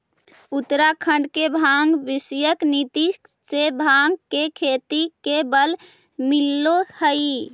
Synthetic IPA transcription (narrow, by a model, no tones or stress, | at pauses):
ut̪ɾakʰəɳɖkebʱaŋɡbisjəknit̪i | sebʱaŋɡkekʰet̪ikebəl | milːohəi